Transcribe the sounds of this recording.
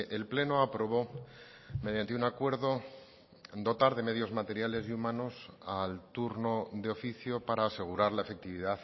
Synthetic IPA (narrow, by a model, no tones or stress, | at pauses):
ʔelple̞no̞apɾo̞β̞o̞ | me̞ð̞jant̪e̞unakwe̞ɾðo̞ | d̪o̞t̪aɾðe̞meðjo̞zmat̪e̞ɾjale̞siumãno̞salt̪uɾno̞ðeo̞fiθjo̞paɾaːse̞ɣ̞uɾaɾlaefe̞k̚t̪iβiðaθ